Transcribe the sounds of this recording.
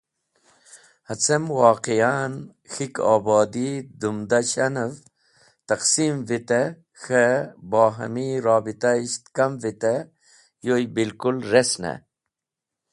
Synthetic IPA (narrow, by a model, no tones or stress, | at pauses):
hɐt͡semwɑːqijaːn | xika̰ːbɑːd̪id̪umd̪aɕɐnəv | t̪ɐqsimvit̪e | xebɑːɦɐ̰miɾɑːbit̪aiɕt̪kɐmvit̪e | jojbilkulɾesnɐ̰